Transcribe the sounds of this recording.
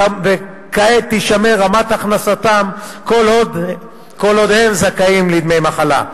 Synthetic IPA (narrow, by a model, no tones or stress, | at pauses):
ave | kaet̪iʃameʁamat̪aχnasat̪amkolod̪ | kolod̪hemzakaimlid̪mejmaχala̰